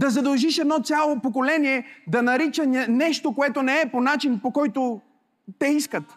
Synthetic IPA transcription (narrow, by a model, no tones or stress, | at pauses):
d̪ɐzɐd̪ɐlˠʒiʃɛd̪nɔt̪sʲjalˠopok̬olɛniɛd̪ɐnɐɾit͡ʃəɛnɛʃt̪okoɛt̪onɛɛponat͡ʃinpokɔjt̪o | t̪ɛiskət̪